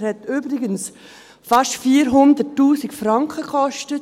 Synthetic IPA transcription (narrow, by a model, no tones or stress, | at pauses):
hɛtyːbɾɪɡəns | fɑʃtfiːɾɦʊndətːuːsikfɾɑŋkχəkʰɔʃtət